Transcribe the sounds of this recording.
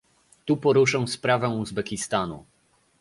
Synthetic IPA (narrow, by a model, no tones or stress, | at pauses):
t̪upɔɾuʂɛ̃spɾavɛ̃uzbɛkʲist̪anṵ